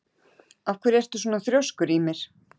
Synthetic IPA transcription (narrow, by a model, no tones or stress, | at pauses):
awfkʰvɛːɾɛɾ̥t̪ʏs̬ɔːnaθɾjowskʏɾimɛɾ̥